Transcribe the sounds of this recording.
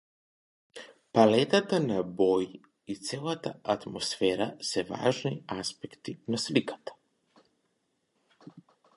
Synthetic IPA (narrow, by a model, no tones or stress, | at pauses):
palɛt̪at̪anabɔji | it̪sɛlˠat̪a̰ʔat̪mɔsfɛɾasɛva̰ʒniaspɛkt̪inaslikḁt̪ḁ